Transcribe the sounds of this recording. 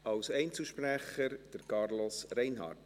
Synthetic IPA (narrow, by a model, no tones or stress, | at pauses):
ɑwsɛɪnt͡səʃpræχəɾd̥əɾkɑrlosrɛɪnɦɑ̰ːrt